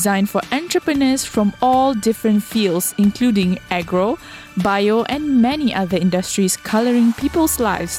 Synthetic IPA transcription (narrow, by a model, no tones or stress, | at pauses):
zãɪ̃nfɔʔɛ̃ntɹəpənəsfɹɔ̃mɔldɪfɹə̃ntfildsɪ̃nkʰluːdɪ̃ŋɛɡɹo | baɪoʔɛ̃nmɛniʔaðəɪ̃ndəstɹiskʰaləɹɪ̃ŋpʰiːpəlsla̰ɪfs